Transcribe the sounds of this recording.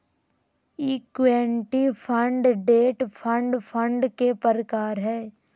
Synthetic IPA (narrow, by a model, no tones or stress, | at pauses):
iːkʋeːɳʈipʰə̃ɳɖɖeːʈpʰə̃ɳɖpʰə̃ɳɖkepəɾəkaːɾɦɛː